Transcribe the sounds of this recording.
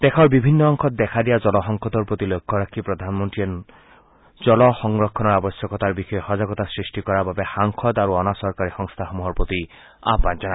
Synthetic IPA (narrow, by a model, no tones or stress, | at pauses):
t̪ekʰɔɾbibʱinːɔːŋkʰɔt̪̚d̪ɛkʰad̪ijad͡ʒɔlɔɦɔŋkʰɔt̪ɔɾpɾot̪ilokʰːɔɾakʰipɾɔd̪ʱanmɔnʈ̪iɔ | d͡ʒɔlɔxɔŋɾɔkʰːɔnɔɾabɔsjɔkɔt̪aɾbixɔjehɔd͡ʒaɡɔt̪asɾisʈikɔɾababehaŋkʰɔd̪aɾuɔnasɔɾkaɾixɔŋst̪ʰaxɔmuɦɔɾpɾot̪i | a̰pad͡ʒaña